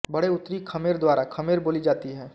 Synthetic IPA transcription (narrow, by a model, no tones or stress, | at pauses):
bɐɽeʊt̪ːɾikʰɐmeːɾd̪waːɾakʰɐmeːɾboːlid͡ʒaːt̪iɦɛː